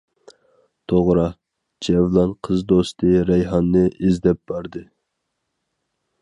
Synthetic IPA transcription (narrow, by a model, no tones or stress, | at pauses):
t̪ʰoʁɾɑ | d͡ʒɛvlˠɑnqʰəzd̪ost̪ɨɾɛjɦɑnːɨʔizd̪ɛp̚b̥ɑɾd̪ɨ